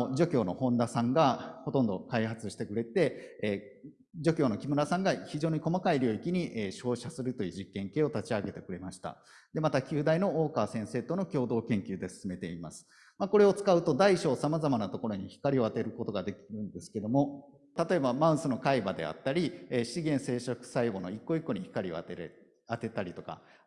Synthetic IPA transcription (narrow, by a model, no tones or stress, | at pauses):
d͡ʑo̞kʲo̞ːno̞hõ̞nd̪asãŋɡaho̞t̪õ̞nd̪o̞kaiɦat͡sɨɕi̥t̪e̞kɯ̟ɾe̞t̪e̞ | d͡ʑo̞kʲo̞ːno̞kʲimɯ̟ɾasãŋɡaçiʑo̞ːɲ̟iko̞makaiɾʲo̞ːikʲiɲ̟iʔeɕo̞ːɕasɨɾɯ̟t̪o̞jiɯ̟ːʑikːẽ̞ŋke̞ːo̞t̪at͡ɕiaɡe̞t̪e̞kɯ̟ɾe̞maɕi̥t̪a̰ | d̪e̞mat̪akʲɨːd̪aino̞oːkaːsẽ̞se̞ːt̪o̞no̞kʲo̞ːd̪o̞ːkẽ̞ŋkʲɨːd̪e̞sɨ̥sɨme̞t̪eimasɨ̥ | mako̞ɾe̞o̞t͡sɨ̥kaɯ̟t̪o̞d̪aiɕo̞ːsamazamanat̪o̞ko̞ɾo̞ɲ̟içi̥kaɾʲio̞at̪e̞ɾɯ̟ko̞t̪o̞ɡad̪e̞kʲiɾɯ̟̃nd̪e̞sɨ̥ke̞d̪omo̞ | t̪at̪o̞e̞bamãɯ̟̃sɨno̞kaibad̪e̞̰a̰t̪ːaɾʲieɕiɡẽ̞ɰ̃se̞ːɕokɯ̟̥saiɡo̞no̞ikːo̞ikːo̞ɲiçi̥kaɾʲio̰t̪eɾ | at̪e̞t̪aɾʲit̪o̞ka̰